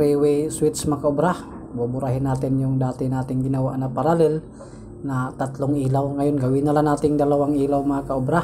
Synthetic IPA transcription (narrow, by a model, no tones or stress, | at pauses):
ɾiwɛswɪt̪smɐkaʔobɾah | bobʊɾaɦɪnːaːt̪ɪnjʊŋd̪aːt̪ɪnaːt̪ɪŋɡɪnawaʔnapaɾalɪl | nat̪at̪lʊŋʔiːlawŋajonɡɐwinalanaːt̪ɪŋd̪ɐlawaŋiːlawmakaʔobɾa